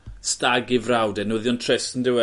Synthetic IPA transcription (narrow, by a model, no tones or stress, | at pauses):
staɡɪvrawdɛnʊðjɔntʰrɛsəndɪwɛ